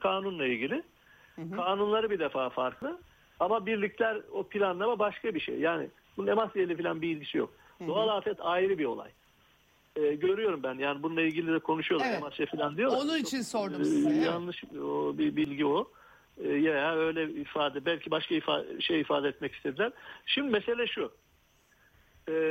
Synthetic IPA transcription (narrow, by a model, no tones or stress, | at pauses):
kʰaːnunlˠailʲɟilʲɪ | kʰaːnunlˠaɾɯbid̪efaːfaɾklˠɯ | amabiɾlʲiclʲæɾopʰilʲanːavabaʃkʰabiʃḛjjaːnɪ̰ | bunune̞masielʲifilʲanbiilʲɟisijo̞̰k̚ | dd̪oalˠaːt̪ɛt̪ʰajiɾɯbio̞lˠa̰j | ɛːɟø̞ɾyjo̞ɾumbænjaːnibununˠailʲɟilʲid̪ɛkʰo̞nuʃujo̞ɾemasafilʲand̪ijoonunit͡ʃʰinsoɾjanlˠɯʃobibilʲɟio | jajaø̞jlʲɛifaːd̪ɛbælʲcʰibaʃkaifa̰ʃejifaːd̪ɛɛt̪mɛci̥st̪ʰed̪ilʲæɾ̥ʃimd̪imese̞lʲɛʃu | ɛː